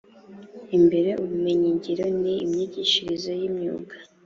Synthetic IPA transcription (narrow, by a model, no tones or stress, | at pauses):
imbe̞ɾe̞ʔuβume̞ɲiɲɟiɾoniimɲiɟiʃiɾizojimɲṵːɡḁ